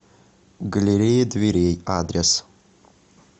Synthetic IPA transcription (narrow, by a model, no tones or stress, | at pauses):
ɡɐlʲeɾʲejed̪vʲeɾʲejaːd̪ɾʲes